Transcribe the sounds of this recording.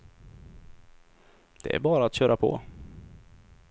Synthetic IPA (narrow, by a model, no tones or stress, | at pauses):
d̪̥ɛ̰æ̰ɾbɑːɾaːt̪ɕœːɾʔapʰɔ̰ː